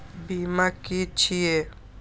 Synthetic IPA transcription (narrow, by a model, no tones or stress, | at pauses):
bimakit͡ʃʰie